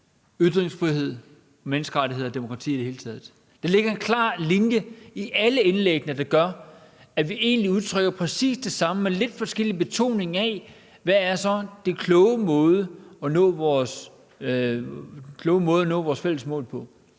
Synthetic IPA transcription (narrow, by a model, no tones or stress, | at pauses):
yð̥ʁeŋsfʁiɦe̝ð̞̰ˠ | ɒ̽menəsɡ̥əʁäɾʰiɦe̝ð̞̰ˠɒd̥e̝mo̝kʰʁɑ̈t͡sʰḭːidehe̝ːlət͡sʰɛːð̩ˠ | d̥ɑ̈le̝ɡ̥ɐe̝nkʰlɑ̰̈ːlinjəiʔæləenleɡ̥nəd̥ɑ̈ɡ̥ɶɐ | æʋiʔe̝̰ːnliuð̞ˠt͡sʰʁœɡ̥ɐpʰʁɛsḭːsd̥e̝sɑ̈məmele̝d̥fɒ̽sɡ̥el̰ib̥e̝t͡sʰo̝̰ːne̝ŋæ | ʋææɐsɒ̽d̥e̝kʰlɔʊəmɔ̽ːð̞ˠəɒ̽nɔ̰̽ːʋɒːs | kʰlɔːʊəmɔ̽ːð̞ˠɒnɔ̰ːʋɒːsfel̰əsmɔ̰̽ːlpʰɒ̽